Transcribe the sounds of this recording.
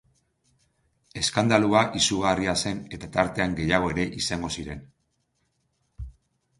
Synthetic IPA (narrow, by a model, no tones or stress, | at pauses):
e̞skand̪aluaʔisuɣariase̞ne̞t̪at̪aɾt̪e̞aŋɡe̞jaɣo̞eɾe̞ʔisaŋɡo̞siɾe̞n